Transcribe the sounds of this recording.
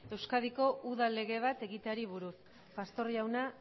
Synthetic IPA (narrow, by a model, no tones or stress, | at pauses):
e̞wskað̞iko̞ʔuðale̞ɣe̞β̞at̪e̞ɣit̪eaɾiβ̞uɾut | past̪o̞riawna